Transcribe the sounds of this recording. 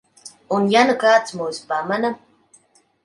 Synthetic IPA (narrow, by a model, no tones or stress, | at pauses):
unjanəkaːt͡smujspamanam